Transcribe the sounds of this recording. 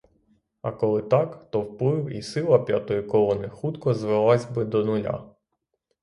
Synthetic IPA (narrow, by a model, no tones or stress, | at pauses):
ɐ̰kɔlˠɪt̪ɑkt̪ɔwplˠɪwḭsɪlˠɐpʲjat̪ɔjikɔlˠɔnɪxut̪kɔzʋelˠɑzʲbɪd̪ɔnʊlʲa̰